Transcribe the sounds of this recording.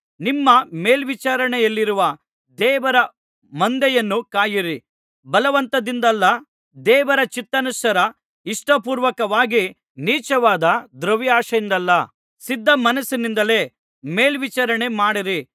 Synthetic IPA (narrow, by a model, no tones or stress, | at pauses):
nimːɐme̞ːlʋit͡ʃaːɾɐɳɛjɐlːiɾuʋɐ | d̪ɛːʋɐɾɐ | mɐnd̪ɛjɐnːukaːjiɾi | bɐlɐʋɐnt̪ɐd̪ind̪ɐlːɐ | d̪ɛːʋɐɾɐt͡ʃit̪ːɐnusɐɾɐ | iʂʈɐpuːɾʋɐkɐʋaːɡi | niːt͡ʃɐʋaːd̪ɐd̪ɾɐʋjaːʂɐind̪ɐlːɐ | sid̪ːɐmɐnɐsinind̪ɐle̞ː | me̞ːlʋit͡ʃaɾɐɳe̞maːɽiɾi